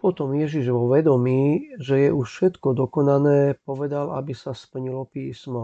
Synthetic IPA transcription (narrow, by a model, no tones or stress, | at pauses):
pɔt̪ɔmjɛʒiʒʋɔʋɛd̪ɔmiːʒɛjɛʔuʃfʃɛt̪kɔd̪ɔkɔnanɛːpɔʋɛd̪alʔa̰bisaspl̩ɲilɔpiːsmɔ